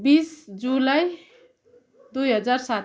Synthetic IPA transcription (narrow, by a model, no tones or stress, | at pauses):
bisd͡ʒulaj | d̪ujɦʌd͡zaɾsat